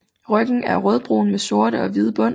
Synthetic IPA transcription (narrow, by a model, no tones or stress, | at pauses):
ʁœɡ̥ŋ̩æɐʁœð̞ˠb̥ʁṵːn̩meso̝ɐɾəɒ̽ʋið̞ˠb̥ɔ̽n̰